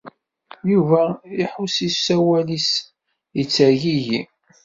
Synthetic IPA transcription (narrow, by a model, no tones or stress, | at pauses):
juvæiħusisæwælis | jət͡sːæʝiji